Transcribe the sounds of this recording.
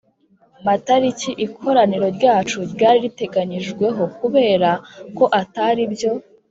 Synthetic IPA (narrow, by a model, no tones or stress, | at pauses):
mataɾiciʔikʰo̞ɾaniɾo̞ɾɟaːt͡ʃuɾɟaːɾiɾite̞ɡaɲiʒɡwe̞ɦo̞kuβe̞ːɾako̞ʔataɾibjo̞